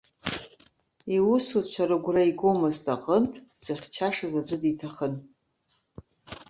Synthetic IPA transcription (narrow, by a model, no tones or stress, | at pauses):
iwusutʰt͡ʃʷʰaɾaɡʷraiɡomɨztʼaqʼəmtʷʰʼz̥ɨχʲt͡ʃʰaʂazad͡ʒʷɨditʰaχən